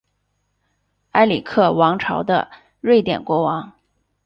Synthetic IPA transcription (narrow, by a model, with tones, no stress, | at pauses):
a˥ɪli˨˩kʰɤ˥˩wɑ˧˥ŋʈ͡ʂʰɑ̰˧˥ʊd̪ə̰˧ | ɻwe˥˩ɪt̪jɛ̰˨˩nkwɔ˧˥wɑ˧˥ŋ